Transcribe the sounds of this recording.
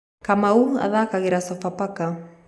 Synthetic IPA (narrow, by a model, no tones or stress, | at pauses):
kamaua̰ðakaɣeɾasɔfapaka